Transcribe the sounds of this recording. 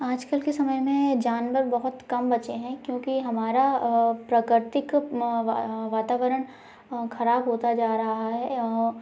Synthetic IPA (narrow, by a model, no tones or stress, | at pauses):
aːd͡ʒkəlkesɐməjmẽd͡ʒaːnʋəɾbɐɦʊt̪kɐmbɐt͡ʃeɦɛ̃kjõːkiɦɐmaːɾapɾakɾɪɾt̪ɪk | ʋaːt̪aːʋəɾəɽ̃ | xɐɾaːbɦoːt̪ad͡ʒaːɾɐɦɦaɦɛ